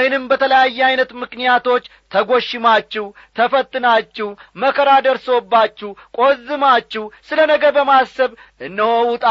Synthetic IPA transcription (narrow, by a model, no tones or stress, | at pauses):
hnɨmbət̪ʰələjajːɛajnət̪mɨknijat̪ʰo̞t͡ʃː | t̪ʰəɡo̞ʃːɪmat͡ʃːɪw | t̪ʰəfət̪ʼːɨnat͡ʃːɪwməkʰːəɾad̪əɾsobːat͡ʃːɪhkʼo̞zːɨmat͡ʃːɪhsɨlənəɡəɾbəmasəβ | ʔɨnːəhowʊt̪ʼa